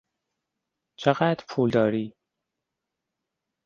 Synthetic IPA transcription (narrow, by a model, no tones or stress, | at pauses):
t͡ʃʰeɣæːd̪ɾpʰuːld̪ɒːɾiː